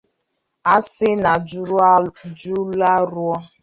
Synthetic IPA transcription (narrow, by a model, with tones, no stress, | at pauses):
a˦sɪ˦na˨˦d͡ʒu˦la˦ɾʊ˦ɔ˦